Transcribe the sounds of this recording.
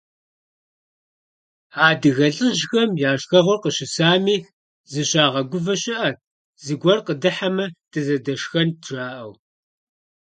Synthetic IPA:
aːdɨɣɐɮɨʒxɐmjaːʂxɐʁʷʊrqəɕɪsaːmiːx | zɨɕʼaːʁɐɡʷʊvɐɕʼɪʔɐt̚ʰ | zɨɡʷɔrqədɨħamɐtʰɨzɐdɐʂxɐntʰraːʔɐw

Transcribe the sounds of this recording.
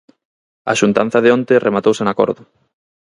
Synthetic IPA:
a̰ʃunt̪an̟θɐðeont̪erʔemat̪owsenako̰ɾðʊ

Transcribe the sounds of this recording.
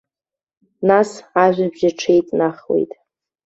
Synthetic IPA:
nasaʒᶣʷabʒaʈ͡ʂʰejtʼnaχwḛjtʼ

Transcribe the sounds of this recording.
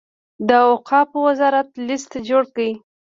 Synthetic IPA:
d̪əoqɑpəwazɑɾat̪list̪ad͡ʒoɽkawi

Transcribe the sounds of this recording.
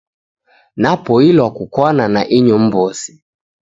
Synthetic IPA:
napɔilwakukwananaʔiɲɔm̩bɔsi̥

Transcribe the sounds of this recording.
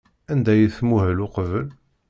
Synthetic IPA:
ænd̪æjəθmuɦælʊqvəl

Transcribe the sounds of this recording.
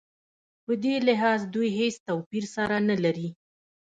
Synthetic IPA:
pəd̪elɪɦɑzd̪ujɦest̪awpiɾsaɾanalaɾi

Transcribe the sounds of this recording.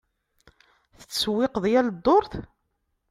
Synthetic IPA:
θə̥t͡sːswːɪqəðjæld̪ːoɾˤθ

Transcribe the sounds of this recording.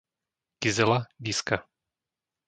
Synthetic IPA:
kɪzɛlabiːska

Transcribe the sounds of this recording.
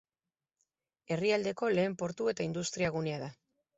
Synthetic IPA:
e̞riald̪e̞ko̞le̞ːmpo̞ɾt̪ue̞t̪aind̪ust̪ɾiaɣuneaða

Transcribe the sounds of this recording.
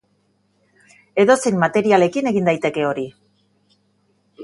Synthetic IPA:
e̞ðo̞sejnmːat̪e̞ɾiale̞kine̞ɣind̪ajt̪e̞ke̞o̞ɾi

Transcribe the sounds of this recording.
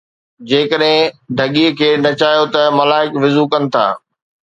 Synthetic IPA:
d͡ʑeːkəɗɦɪ̃ɖʱɐɠikʰeːnɐt͡ɕaːjot̪ɐmɐlaːɦɪkʋɪzukɐnɪ̆t̪ʰa̰ː

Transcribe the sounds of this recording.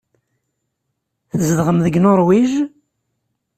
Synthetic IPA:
θəzəðʁəmðəɡnoɾˤwiʒ

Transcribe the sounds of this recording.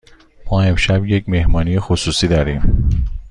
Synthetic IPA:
mɒːe̞mʃæbje̞cme̞hmɒːnijexosuːsiːd̪ɒːɾiːm

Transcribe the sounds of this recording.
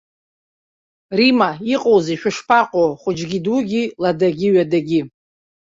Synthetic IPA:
rimaiqʼowziʃᶣʊʂpʰaqʼoχʷʊd͡ʒɡʲiduɡʲiladaɡʲiɥadaɡʲi

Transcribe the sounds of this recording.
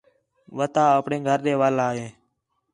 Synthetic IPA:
ʋət̪aːəpɳeːɡʱəɾɗeːʋaːlaːɦeː

